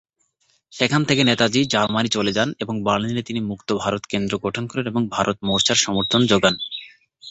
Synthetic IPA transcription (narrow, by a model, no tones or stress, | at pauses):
ʃekʰant̪ʰekenet̪ad͡ʑid͡ʑaɾmanit͡ɕoled͡ʑaneboŋbaɾlinnet̪inimukt̪obʱaɾot̪kend̪ɾoɡoʈʰonkɔɾeneboŋbʱaɾʔot̪̚moʃaɾʃɔmoɾt̪ʰond͡ʑoɡan